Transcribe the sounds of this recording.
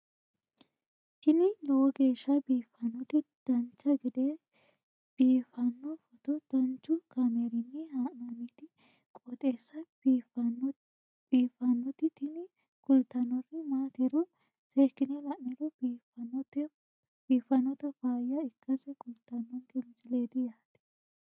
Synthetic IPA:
t̪ɪnɪlɔwɔɡe̞ːʃːɐbiːfːɐnːɔt̪ɪd̪̥ɐnt͡ʃːɐɡɪd̪e | b̥iːfɐnːɔfɔt̪ɔd̪̥ɐnt͡ʃːʊkɐmeɾɪnːɪhaːʔnɐnit̪ɪ | kʼɔt̪ʼeːsːɐ | i | b̥iːfɐnːɔt̪ɪt̪ɪnɪ | kʊlt̪ːɐnːɔrɪmaːt̪ɛɾɔ | seːkːɪnɛlɐʔnɛɾɔbiːɐt̪ɛ | b̥iːfɐnːɔt̪ɐfaːjɐɪkːɐsɛkʊlt̪ːɐnːɔnkɛnt͡sɪleːd̪ɪjaːt̪ːɪ̥

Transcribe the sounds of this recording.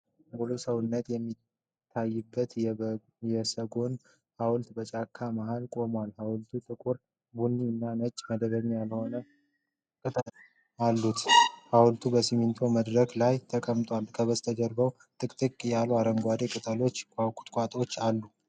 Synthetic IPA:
bulosəwɨnːət̪jɛmːi | t̪ʰːajːɪbːət̪ | jɛsəɡo̞n | hawʊlt̪bət͡ʃʼakʰːamaɦalkʼo̞mwalhawlt̪ʰut̪ʼɨkʼuɾ | bunːiɨnːanət͡ʃʼːməd̪əbəɲjalho̞nə | kʼɨt̪ʼ | alːut̪hawlt̪ʰubəsimint̪ʰo̞məd̪ɾəɡlajt̪ʰəkʼəmt̪ʼwalkʰəβəst̪ʰəd͡ʒ̪əɾbəw | t̪ʼɨkʼt̪ʼɨkʼjalːuaɾəmɡʷad̪e̞kʼɨt̪ʼəlo̞t͡ʃːkʰawkʼu̥t̪ʼkʼat̪ʼo̞t͡ʃːalːu

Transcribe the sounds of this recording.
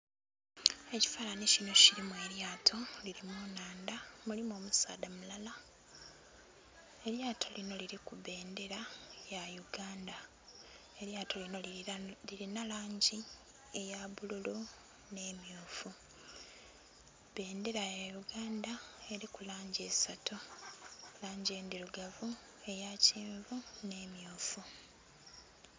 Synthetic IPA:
e̞ci̥falanicino̞ciɾimweljaːtʰo̞liɾimunaːndamulimoːmusa̰ːdamulala | e̞ɾjaːtʰo̞lino̞liɾikuβe̞ːnde̞ɾajajuɡaːnda | e̞ɾjaːtʰo̞linoliɾinalaːɲɟi | e̞jaβululu | ne̞ːmjoːfu | βe̞ːnde̞ɾajajuɡaːndae̞ɾikulaːɲɟie̞sato | laːɲɟie̞ːndiɾuɡavu | e̞jaciːɱvune̞ːmjuːfu

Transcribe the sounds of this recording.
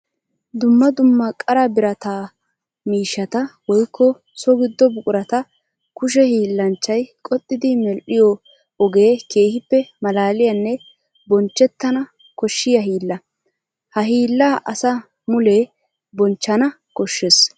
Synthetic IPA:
d̪ʊmːɐd̪ʊmːɐkʼɐɾɐbɪɾɐt̪aː | miːʃːɐt̪ɐwɔjkːɔ | sɔɡɪd̪ːɔbʊkʼʊɾɐt̪ɐ | kʊʃ̬ɛhiːlːɐnt͡ʃːɐjkʼɔt̪ʼːɪd̪ɪmɛlʔɪjɔ | ɔɡe̞ːke̞ːhɪpːɛmɐlaːlɪjɐnːɛ | bɔnt͡ʃːɛt̪ːɐnɐ | kɔʃːɪjɐɦiːlːɐ | hɐɦiːlːaːʔɐsɐ | mʊle | bɔnt͡ʃːɐnɐ | kɔʃːes

